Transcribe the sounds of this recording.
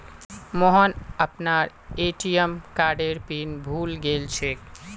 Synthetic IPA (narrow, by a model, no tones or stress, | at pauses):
mɔɦənəpnaɾ | eʈijəmkaɖeɾpinbʱuːlɡelt͡ʃʰek